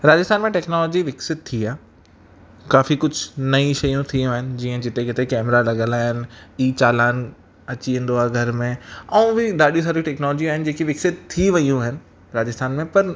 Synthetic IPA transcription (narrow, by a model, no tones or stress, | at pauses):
ɾaːd͡ʑɪst̪ʰaːnmẽʈɛːknɔːlɔːd͡ʑiʋɪksɪt̪̚t̪ʰiaː | kaːfikʊd͡ʑʱnɐĩʃɐjũt̪ʰiũaːɦɪnɪ̆d͡ʑiːə̃d͡ʑɪt̪ekɪt̪ekɛːmɾalɐɠə̃laːɦɪnɪ̆iːt͡ɕaːlaːɪn | ɐt͡ɕiə̃n̆d̪oaːɡʱɐɾmẽɛ̃ũʋiɗaːɗijũsaːɾiʈɛːknɔːlɔːd͡ʑiaːɦɪnɪ̆d͡ʑeːkiʋɪksɪt̪̚t̪ʰiʋɐjũaːɦɪnɪ̆ | ɾaːd͡ʑɪst̪ʰaːnmẽpɐɾ